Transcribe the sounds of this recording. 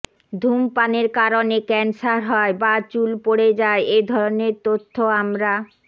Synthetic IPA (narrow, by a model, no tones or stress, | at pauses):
d̪ʱumpaneɾkaɾonekɛnsaɾɦɔebat͡ɕulpoɽed͡ʑaeed̪ʱɔɾoneɾt̪ot̪ʰːoamɾa